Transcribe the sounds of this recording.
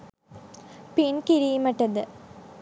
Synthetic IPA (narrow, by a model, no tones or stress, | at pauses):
pinkiɾijumɐʈːɐðɨ